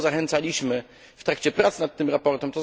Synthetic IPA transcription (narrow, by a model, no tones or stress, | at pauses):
zaxɛnt̪salʲiɕmɘ | ft̪ɾakt͡ɕɛpɾat̪snat̪ːɘmɾapɔɾt̪ɛmt̪ɔ